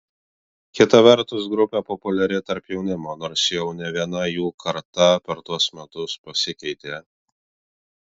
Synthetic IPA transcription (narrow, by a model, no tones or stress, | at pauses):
kʲɪt̪ɐʋʲɛɾt̪ʊs̬ɡɾʊpʲeːpɔpʊlʲɛɾʲɪt̪ɐɾpjɛʊnʲɪmoːnoːɾsjɛʊnʲɛʋʲiɛnɐjuːkʰɐɾt̪ɐpʲɛɾt̪uɔsmʲɛt̪ʊspɐsʲɪkʲɛɪt̪ʲeː